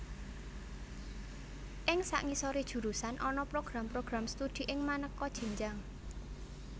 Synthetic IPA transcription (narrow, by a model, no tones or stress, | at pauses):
ʔɪŋsa̰ʔŋisɔɾed̥ʒ̥ṳɾusanʔɔnɔpɾoɡ̥ɾampɾoɡ̥ɾamst̪ud̪̥i̤ʔɪŋmanəkːɔd̥ʒ̥i̤ɲd͡ʒaŋ